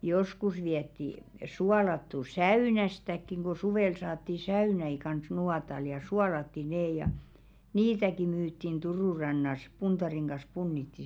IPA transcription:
joskus ʋiɛtːi suɑlɑtːu sæyˑnæstækːiŋ ɡ̊o suʋeˑl sɑːtːi sæynæi kɑns nuɑtɑl jɑ suɑlɑtːi neː jɑ niːtæki myːtːin turuˑ rɑnːɑs puntɑriŋ ɡ̊ɑs punːitːi

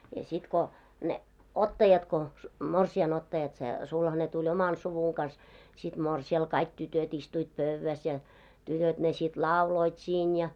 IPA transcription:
jɑ sit ko ne otːɑjɑt ko morsiɑn otːɑjɑt se sulhɑne tulʲ omɑl suʋuŋ kɑns sit moˑrsiɑl kɑik tytøt istuit pøʋːæs jɑ tytøt ne sit lɑuloit siːn jɑ

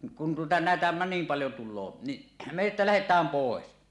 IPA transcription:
kun tuotɑ næˑetæ nim pɑljo tulˑoː niʔ me etːæ læhetˑæːm poˑes

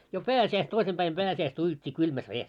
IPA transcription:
jo pæːsiæis toisem b̥æim pæːsiæistæ ujutʲːi kylmæs ʋeːs

